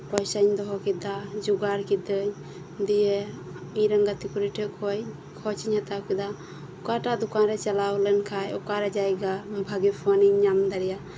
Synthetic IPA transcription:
pɔjsaɲd̪ɔɦɔkid̪ad͡ʒuɡaɾkid̪əɲ | d̪ije | ĩɾəŋɡat̪ikuɾiʈʰekɔj | kʰɔt͡ʃiɲhat̪awkid̪a | ʊkaʈad̪ukãnɾɛt͡ʃalawlɛnkʰajukaɾɛd͡ʒajɡabʱaɡipʰɔniŋɲamd̪aɾija

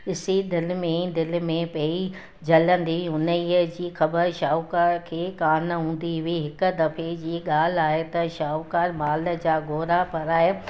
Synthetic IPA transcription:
ɪsid̪ɪlmẽd̪ɪlmẽpɐːi | d͡ʑɐlə̃nd̪iɦʊnəiəd͡ʑiːxɐbəɾʃaːʊkaːɾkʰeːkaːnɦũːn̆d̪iɦʊiɦɪkʊ̆d̪ɐfed͡ʑiːɠaːl̤aːɦet̪ɐʃaːʊkaːɾmaːlə̆d͡ʑaːɡoːɾapɐɾaːɦe

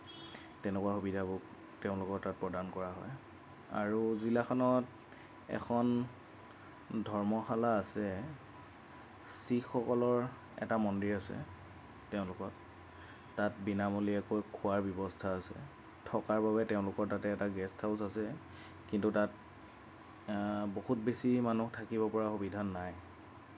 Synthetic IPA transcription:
tɛnɛkuaxubidʱabɔk | tɛʊ̃lʊkɔɹtat̚pɹɔdankɔɹaɦɔj | a̰ɹuzilaxɔnɔt | ɛ̰xʰɔn | dʱɔɹmɔxalaːsɛ | sixɔkɔlɔɹ | ɛ̰tamɔndiɹasɛ̰ | tɛʊ̃lʊkɔtː | at̚binamoliɛkojkʰʊaɹbjɔbɔstʰaːsɛ̰ | tʰɔkaɹbaβɛtɛʊ̃lʊkɔɹtatɛːtaɡɛstʰaʊsasɛ | kintutat̚ | bohut̚besimanuxtʰakibɔpɔɹaxobidʱanːaj

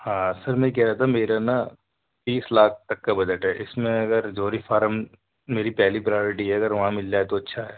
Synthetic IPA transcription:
hãːsɐɾmɛ̃k̬ɛɦɾaɦaːt̪ʰameːɾana | biːslaːk̚ʰt̪ɐkːabɐd͡ʒəʈɦɛːʔɪsmẽɐɡəɾd͡ʒoːɾifʰaːɾm | meːɾipɛɦlipɾajoːɾɪʈiɦɛɐɡəɾʋɐɦãmɪld͡ʒaːɛt̪oɐtːʃʰaɦɛː

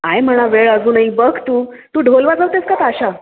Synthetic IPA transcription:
ajm̤əɭ̃aʋeɭəd͡zuːnaɦibəkʰt̪uː | t̪uːɖʱolʋad͡zawt̪eskat̪aɕa

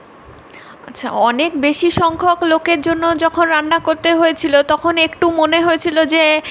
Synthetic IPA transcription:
atːɕʰa̰ɔnekbeʃiʃɔŋkʰoklokeɾd͡ʑonːod͡ʑɔkʰonɾanːakoɾt̪eɦoet͡ɕʰilot̪ɔkʰonekʈumoneɦojet͡ɕʰilod͡ʑe

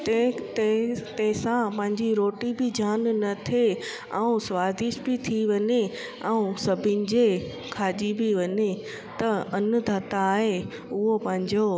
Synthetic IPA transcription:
t̪t̪t̪ɐ̃ɦɪ̃sãpɐ̃ɦɪ̃ɲd͡ʑiɾoːʈibɪd͡ʑaːnnɐt̪ʰe | ɛũsʋaːzɪʃbɪt̪ʰiʋɐɲe | ɐ̃ũsɐbʱɪnɪ̆d͡ʑe | kʰaːd͡ʑibɪʋɐɲe | t̪ɐɐnd̪ʱaːt̪aːɦe | ʊɦopɐ̃ɦɪ̃ɲd͡ʑo

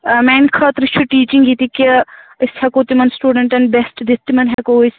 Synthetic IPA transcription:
mɛːnkʰɐːt̪ɾit͡ʃʰuʈiːt͡ʃiŋɡit̪ikiəsʰhɐkoːt̪imɐnsʈuːɖəɳʈɐnbesʈd̪it̪ːimɐnɦɐkoːis

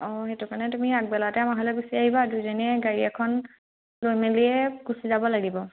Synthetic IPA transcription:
ɔxetukanɛtumiak̚bɛlatɛamaɦɔlɛɡusiaɦibadujzɔniɛɡaɹiɛkʰɔn | lojmeliɛɡ̥usizabɔlaɡibɔ

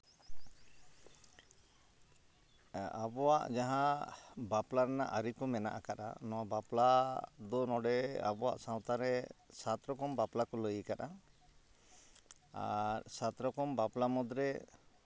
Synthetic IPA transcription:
abɔwa̰ʔd͡ʒaɦãbaplaɾɛna̰ʔaɾikɔmɛnaʔakaʔa̰nɔwabaplad̪ɔnɔɖɛa̰bɔwa̰ʔsaw̃t̪aɾɛsat̪ɾɔkɔmbaplakɔləjkaɗa | a̰ɾsat̪ɾɔkɔmbaplamɔd̪ɾɛ

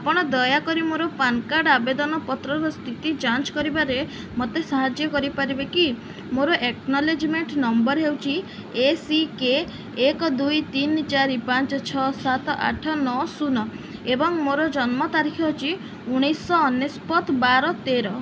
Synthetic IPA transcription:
apɔɽ̃ɔd̪ɔjakɔɾimoɾɔpankaɖabed̪ɔnɔpɔt̪ɾɔɾɔst̪ʰit̪id͡ʒant͡ʃkɔɾibaɾe | mot̪esaɦad͡ʒjɔkɔɾipaɾibeki | moɾɔʔeknɔled͡ʒmeɳʈnɔmbɔɾɦewt͡ʃʰi | esikeː | kɔd̪ujt̪int͡ʃaɾipãnt͡ʃɔt͡ʃʰɔsat̪ɔʔa̰ʈʰɔnɔsunɔ | ebɔŋmoɾɔd͡ʒɔnmɔt̪aɾikʰɔt͡ʃʰi | uɽ̃ijsɔːnjespɔt̪baɾɔt̪eɾɔ

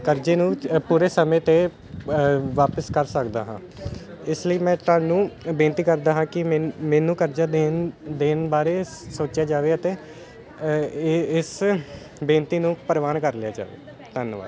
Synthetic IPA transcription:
kəɾd͡ʒeːnũːpuːɾeːsəmẽːt̪eː | ʋaːpəskəɾsəkd̪a̰ːɦã̰ː | ɪsləiːmɛ̃ːt̪aːɳnːũːbẽːnt̪iːkəɾd̪aːɦãːkɪmɛ̃ːnũːkəɾd͡ʒaːd̪eːnd̪eːnbaːɾeːsoːt͡ʃjaːd͡ʒaːʋeːət̪eː | ɪs | bẽːnt̪iːnũːpəɾʋaːnkəɾlɪa̰ːd͡ʒa̰ːʋḛː | t̪ənʋa̰ːd

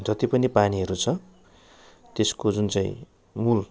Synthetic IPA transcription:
d͡zʌt̪ipʌnipaniɦʌɾut͡sʰʌ | t̪eskod͡zunt͡sãḭ̃ | mul

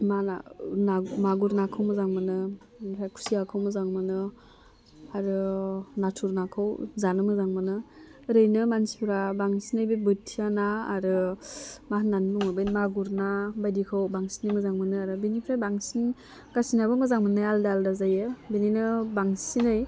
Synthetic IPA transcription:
maa̰namaɡuɾnakʰɯwmɯzaŋmɯnɯ | enpʰɾajkʰu̥siakʰawmɯzaŋmɯnɯ | aɾɯnatʰuɾnakʰɯwzanɯmɯzaŋmɯnɯ | ɾɯjnɯmansi̥pʰɾabaŋsinɯjbebɯtʰijanaːɾɯ | mahnanbuŋɯbajnmaɡuɾnabajdikʰawbaŋsinɯmɯzaŋmɯnɯaɾɯbenipʰɾajbaŋsin | kasinabɯmɯzaŋmɯnɯjaldaldazajɯbeninɯbaŋsinɯj

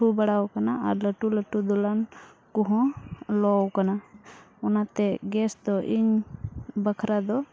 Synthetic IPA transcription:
ʈʰubəɽawkanaa̰ɾləʈuləʈud̪ɔlankuɦɔ̃lɔwkana | ɔnat̪ɛɡɛsd̪ɔʔiɲ | bəkʰɾad̪ɔ

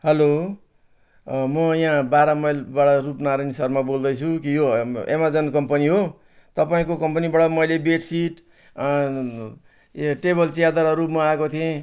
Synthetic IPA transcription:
hʌlo | mʌjãbaɾamʌjlbaɽʌrupnaɾʌnisʌrmabold̪ʌjt͡sʰukijoḛmad͡zʌnkʌmpʌniɦo | t̪ʌpaĩkokʌmpʌnibaɽʌmʌjlebeʈsiʈ | ʈebʌlt͡sijad̪aɾʌɾupmaːekot̪ʰijẽ

